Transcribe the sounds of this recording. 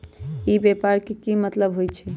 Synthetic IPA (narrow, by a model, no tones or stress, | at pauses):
ibɛpaɾkekimət̪ləbɦojt͡ʃʰɛ